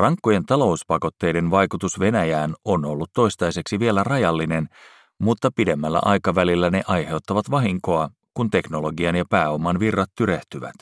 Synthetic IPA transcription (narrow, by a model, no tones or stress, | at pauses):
rɑŋkːoje̞nt̪ɑlo̞uspɑko̞t̪ːe̞jde̞nʋɑjkut̪usʋe̞næjæːno̞no̞lːut̪ːo̞ijst̪ɑjse̞ksiʋie̞lærɑjɑlːine̞n | mut̪ːɑpide̞mːælːæ̰ʔɑjkɑʋælilːæne̞ʔɑjhe̞wt̪ːɑʋɑt̪ʋɑɦiŋko̞ɑ | kunt̪e̞kno̞lo̞ɡiɑnjɑpæːo̞mɑnʋirːɑt̪ːyɾeht̪yʋæ̰t̪